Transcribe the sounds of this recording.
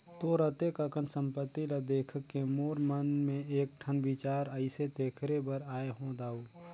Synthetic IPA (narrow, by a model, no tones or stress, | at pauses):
t̪oɾət̪ekəkənsə̃mpət̪ːilad̪eːkʰəkːemoːɾmənmẽeːk̚ʈʰənbɪt͡ʃaːɾəɪset̪eːkʰɾebəɾaːeɦõd̪aːu